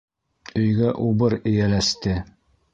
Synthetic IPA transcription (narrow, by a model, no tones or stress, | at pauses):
ɵ̆jɡæʔubɤɾɘ̆jælæst̪ɘ